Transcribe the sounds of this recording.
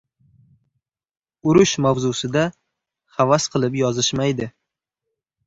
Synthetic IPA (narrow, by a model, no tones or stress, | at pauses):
ʊɾʊʃmawzʊsɪd̪a | χavasqʰɨlˠɪpjɒzɪʃmajd̪ɪ